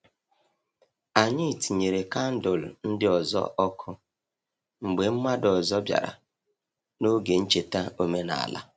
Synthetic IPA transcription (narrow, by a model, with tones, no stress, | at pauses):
a˨ɲɪ˦˨ti˨ɲe˨ɾe˨ka˦n̩˦dʊ˨lʊ̰˨n̩˦dɪ˦ɔ˨zɔ̰˦ʔɔ˦kʰʊ˦ | ŋ͡m̩˨ɡ͡be˨m̩˦ma˦dɔ˨zɔ˦bja̰˨ɾa̰˨ | no˦ɡe˨n̩˦t͡ʃe˨ta˦o˦me˦na̰˨a̰˨la̰˦